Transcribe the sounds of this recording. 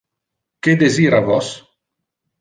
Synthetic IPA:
ked̪eziːɾavɔs

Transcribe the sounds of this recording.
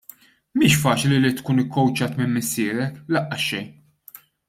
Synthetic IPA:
miːʃfɐːt͡ʃlilit̪kuːnɪkːɔwt͡ʃɐːt̪mɪmmːɪsːɪːɾɛlɐʔːɐʃːɛjn

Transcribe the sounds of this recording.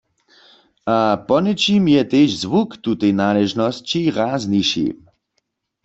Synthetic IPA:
ʔapɔnɛt͡ʃimjɛt̪eːʃzʋukt̪ut̪ɛjnaːlɛʒnɔst͡ɕiʁaːzniʃḭ

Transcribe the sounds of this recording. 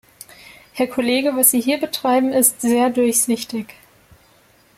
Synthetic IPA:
hɛɐkʰoleːɡəvasz̥iːɦiːɐbətʁ̥aɪbm̩ɪstz̥eːɐdʊɐçz̥ɪçtɪç

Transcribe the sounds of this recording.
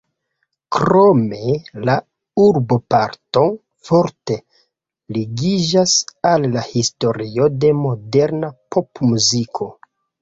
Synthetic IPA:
kɾome̞la | uɾbo̞paɾto̞n | fo̞ɾte̞ | liɡid͡ʒasalːahisto̞ɾio̞de̞mo̞de̞ɾnapʰo̞pmuzikʰo̞

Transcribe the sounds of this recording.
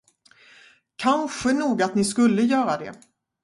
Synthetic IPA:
kʰanɧənuːɡat̪nɪskɵlːəjœːɾad̪ɛ̰

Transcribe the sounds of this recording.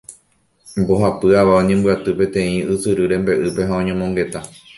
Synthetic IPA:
mbo̞ɦapɨaʋaõɲẽmbɨat̪ɨpe̞t̪ẽ̞ĩʔɨsɨɾɨɾẽ̞mbe̞ʔɨpe̞ɦãõɲõmõ̞ŋɡe̞t̪a

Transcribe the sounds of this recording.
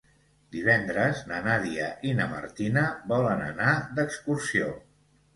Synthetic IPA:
d̪iβɛnd̪ɾəznənaðiəʔinəmə̰ɾt̪inəβɔlənənad̪əkskursio

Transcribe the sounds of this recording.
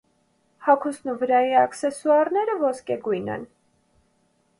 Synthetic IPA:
hɑkʰusnuvəɾɑjiɑksɛsuɑɾnɛɾəvɔskɛɡujnɛ̰n

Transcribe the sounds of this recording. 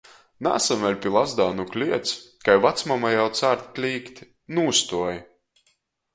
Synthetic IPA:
na̰ːsamɛlʲpʲilˠazd̪aːnuklʲiɛt̪skajvat̪smamajawt̪saːɾt̪klʲiːkt̪ʲ | nuːst̪uɔj

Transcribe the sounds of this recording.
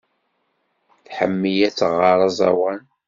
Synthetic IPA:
θħə̰mːijæt͡sːʁɑɾˤɑzˤɑ̰wæn

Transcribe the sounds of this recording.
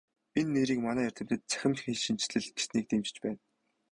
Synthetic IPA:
inːeːɾiːkmanæːær̥ʲt̪ɘ̆mt̪ɘ̆t̪̚t͡sæ̥xʲɪ̆mt͡ɕxxeɮʃint͡ɕɮɘ̆ɮ̚ɡe̥sniːk̚t̪emt͡ɕ̆t͡ɕpæːn

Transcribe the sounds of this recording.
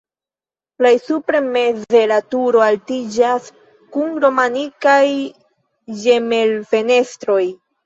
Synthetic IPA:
laisupɾeme̞ze̞ɾatuɾo̞altid͡ʒas | kunɾo̞manikaj | d͡ʒe̞me̞lfe̞ne̞stɾo̞j

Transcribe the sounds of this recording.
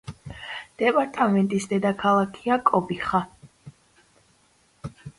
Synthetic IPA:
d̪̥ɛpʼaɾt̪ʼamɛnt̪ʼisd̪ɛd̪akʰalˠakʰiakʼɔbiχa

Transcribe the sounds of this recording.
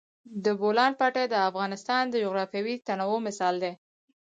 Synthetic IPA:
d̪əbolɑnpaʈad̪əafɣɑnɪst̪ɑnd̪əd͡ʒʊɣɾɑfjawit̪anawomɪsɑld̪e

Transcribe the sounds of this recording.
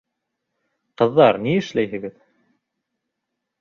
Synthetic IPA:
qɤ̆ðːɑɾniɘ̆ʃlæjɦɘ̆ɡɘð

